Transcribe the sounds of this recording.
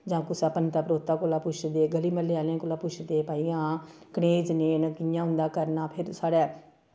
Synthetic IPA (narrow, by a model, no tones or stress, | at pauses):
d͡ʒãːkʊsaːpənt̪aːpəɾoːt̪ːaːkoːlaːpʊt͡ʃʰd̪eːɡəliːməleːaːlãːkoːlaːpʊt͡ʃʰd̪eːpaːijãː | kəɽeːd͡ʒneːnəkɪjãːɦʊ̃nd̪aːkəɾnaːpʰɪɾsaːɽɛː